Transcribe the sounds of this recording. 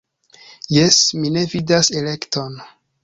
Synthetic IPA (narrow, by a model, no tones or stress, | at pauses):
jesmine̞vidase̞le̞kto̞n